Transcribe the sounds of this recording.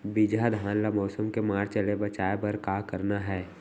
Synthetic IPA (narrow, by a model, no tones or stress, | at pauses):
bid͡ʒad̪ʱãːnlamɔːsəmkemaːɾt͡ʃəlebət͡ʃaːebəɾkaːkəɾnaɦɛː